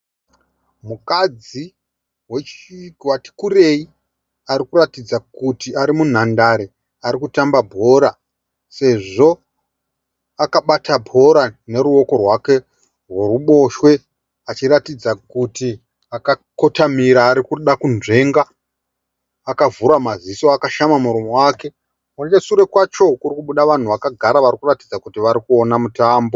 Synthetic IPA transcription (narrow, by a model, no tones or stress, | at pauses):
mukad͡zi | wet͡ʃwati̥kure̞i | aɾikuratid͡zakutiʔaɾimun̤andaɾe | aɾikutambabʱo̞ɾa | se̞ʐo̞ | akaɓatabʱo̞ɾane̞ɾuo̞ko̞rwake̞ | rweruɓo̞ʃwe̞ | at͡ʃiɾatid͡zakuti | akako̞tamiɾaːɾikuɗakunʐe̞ŋɡa | kavuɾamazisoakaʃamamuɾomo̞waːke̞ | at͡ʃesuɾe̞kwat͡ʃo̞kurikuɓuɗaʋan̤uʋakaɡʱaɾaʋaɾikuratid͡zakutiʋaɾikuo̞namutaːmbo̞